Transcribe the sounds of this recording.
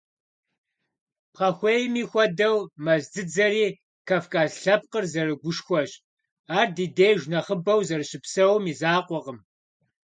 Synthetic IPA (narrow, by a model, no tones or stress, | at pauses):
pχɐxʷeːjmiːxʷɔdɐwmɐzdɨd͡zɐɾiː | kʰɐfkʰʼaːɮɬɐp̚qərzɐrɨɡʷʊʃxʷɔɕʼ | aːrdiːdejʒʷnɐχəbɐwzɐrɨɕɪpsɐwmiːzaːqʷɔqəm